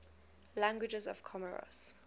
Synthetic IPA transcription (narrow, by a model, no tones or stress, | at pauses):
lãŋɡwɪd͡ʒɛzɔv̥kʰɔməɹɔ̰s